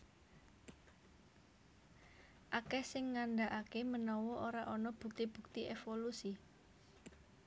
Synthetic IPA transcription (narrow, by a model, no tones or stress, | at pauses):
ʔakɛsɪŋːanɖaʔakemənɔwɔʔoɾaʔɔnɔb̥ṳk̚t̪ib̥ṳk̚t̪iʔefolusi